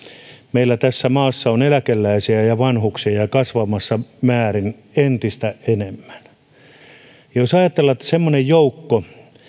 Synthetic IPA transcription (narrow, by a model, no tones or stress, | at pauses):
meilːæt̪æsːæmɑːsːɑonelækelːæisiæjɑʋɑnhuksijɑkɑsʋɑmɑsːɑmæːrin | ent̪ist̪æʔenemːæ̥n | josɑjɑt̪elːɑet̪ːæ̥semːonejjoukːo